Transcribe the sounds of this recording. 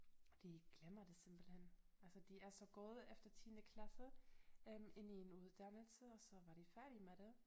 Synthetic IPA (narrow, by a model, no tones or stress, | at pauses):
d̥iɡ̥lemɐd̥e̝se̝mb̥l̩hen̰ | ælsəd̥iæɐsɒ̽ɡ̥ɔːð̞ˠefd̥ɐt͡sʰiːnəkʰlæsəøme̝n̰ienuðˠd̥ænəlsəɒ̽sɒ̽ʋɑ̈ɾ̥ifæɐɾimeɾ̥e̝